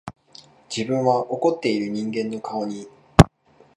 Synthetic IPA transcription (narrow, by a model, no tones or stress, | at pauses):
d͡ʑibɯ̟̃ɰ̃βaʔo̞ko̞t̪ːe̞iɾɯ̟ɲ̟ĩŋɡẽ̞nːo̞kʰaoɲ̟i